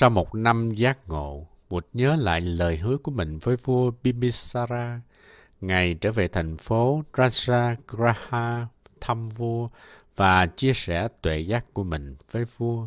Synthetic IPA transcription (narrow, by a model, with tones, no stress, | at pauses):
sa˧wmo˨˩t̚na˧mzaː˦˥k̚ŋo̰˧˨ | mu˨˩t̚ɲəː˨˦la̰ː˧˨jləː˨˩jɦɨ˨˦əku˧˩əmï˨˩ŋ̟vəː˨˦jvu˧əɓi˧mi˧saː˧ɾaː˧ | ŋa˨˩jt͡ɕə̰ː˧˩ve˨˩t̪ʰa˨˩jŋ̟fo˨˦zaː˧˥zaː˧ɣɾaː˧haː˧t̪ʰə˧mvu˧ə | vaː˨˩t͡ɕi˧əsɛ˧˩t̪wḛ˧˨zaː˦˥kku˧˩əmï˨˩ŋ̟v̥əː˨˦jvu˧ə